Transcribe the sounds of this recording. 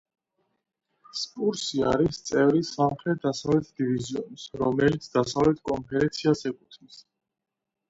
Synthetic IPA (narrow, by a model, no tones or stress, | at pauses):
spʼuɾsia̰ɾist̪sʼɛvɾisamχɾɛt̪̚ʰd̪asavlɛt̪ʰd̪iviziɔ̰nsɾɔmɛlit̪sʰd̪asavlɛt̪ʰkʼɔnpʰɛɾɛnt̪sʰiazɛkʼut̪ʰnis